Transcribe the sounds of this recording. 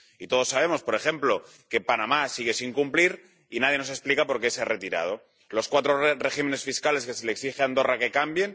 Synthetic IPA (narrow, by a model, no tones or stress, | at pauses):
it̪o̞ð̞o̞sːaβ̞e̞mo̞spo̞ɾe̞xe̞mplo̞ | ke̞panamasiɣ̞e̞siŋkumpliɾ | inað̞jeno̞se̞splikapo̞ɾkesare̞t̪iɾa̰ð̞o | lo̞skwat̪ɾorexime̞ne̞sfiskale̞ske̞seleksixeand̪o̞rake̞kambje̞n